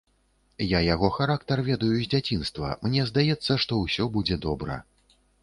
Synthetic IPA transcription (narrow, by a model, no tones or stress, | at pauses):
jajaɣɔxaɾakt̪ɐrvʲɛd̪ɐjuzʲd͡zʲat͡sʲinst̪vɐ̰mnʲɛzd̪ajɛt̪sːɐʂt̪ɔwsʲɔbud͡zʲɛd̪ɔbɾɐ̰